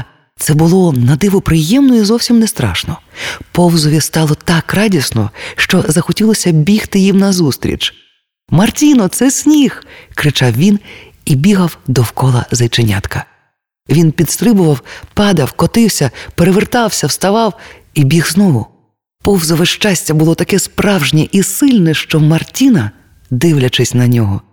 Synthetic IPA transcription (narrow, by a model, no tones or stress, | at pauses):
t̪sɛbʊlˠɔnɐd̪ɪʋʊpɾɪjɛmnɔizɔwsʲimnest̪ɾɑ̰ʃnɔpɔwzɔʋʲist̪ɑlˠɔt̪ɑkrɑdʲisnɔ̰ʃt͡ʃɔzɐxɔtʲilˠɔsʲɐbʲixt̪ɪjimnɐzust̪ɾʲḭt͡ʃ | mɐrtʲinɔt̪sɛsʲnʲixkɾɪt͡ʃɑwʋʲin | ibʲiɦɐwd̪ɔwkɔlˠɐ̰zɐjt͡ʃenʲa̰t̪kɐ | ʋʲinpʲid̪st̪ɾɪbʊʋɐwpɑd̪ɐwkɔt̪ɪwsʲɐpeɾeʋert̪ɑwsʲɐwst̪ɐʋɑw | ibʲiɣznɔɦʊ | pɔwzɔʋɪʃt͡ʃasʲtʲɐbʊlˠɔt̪ɐkɛspɾɑwʒnʲiʔisɪlʲnɛʃt͡ʃɔmɐrtʲinɐ | d̪ɪwlʲɐt͡ʃɪsʲnɐnʲɔɦɔ